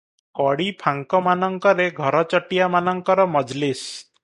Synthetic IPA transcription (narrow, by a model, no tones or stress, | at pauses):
kɔɽipʰaŋkɔmanɔŋkɔɾeɡʱɔɾɔt͡ʃɔʈijamanɔŋkɔɾɔmɔd͡ʒlis